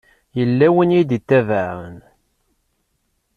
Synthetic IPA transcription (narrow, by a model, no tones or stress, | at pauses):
jəlːæwənjid̪it̪ːævaɾə̰n